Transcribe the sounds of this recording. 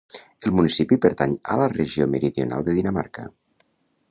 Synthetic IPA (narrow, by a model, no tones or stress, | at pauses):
elˠmunisipipəɾt̪aɲələreʒiomeɾiðiona̰lˠd̪eðinəma̰ɾkə